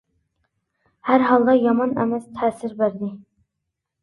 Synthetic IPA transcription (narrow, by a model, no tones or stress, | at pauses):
hæɾɦɑlˠd̪ɑjɑmɑnɛ̰mɛst̪ʰɛːsɪɾbæɾd̪ɪ